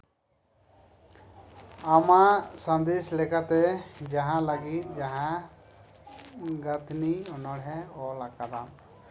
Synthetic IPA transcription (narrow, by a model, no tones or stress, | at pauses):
amasə̃nd̪eslɛkat̪ɛd͡ʒaɦãlaɡit̪̚d͡ʒaɦã | ɡət̪ʰniɔnɔɽɦɛɔlakad̪am